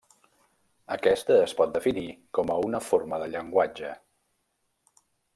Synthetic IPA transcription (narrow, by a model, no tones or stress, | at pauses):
əkɛst̪əːspɔt̪̚d̪əfinikɔməunəforməðəʎəŋɡwad͡ʒə